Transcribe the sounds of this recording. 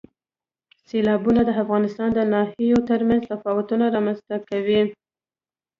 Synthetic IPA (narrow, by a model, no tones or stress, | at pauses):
selɑbunad̪əafɣɑnɪst̪ɑnd̪ənɑhijot̪əɾmanzt̪afɑwʊt̪unaɾɑmanzt̪akawi